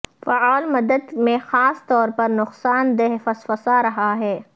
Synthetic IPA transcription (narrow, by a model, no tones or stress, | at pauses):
fɐaːlmɐd̪əd̪mẽxaːst̪ɔːɾpɐɾnʊqsaːnd̪ɛɦfɐsfəsaɾɐɦaɦɛː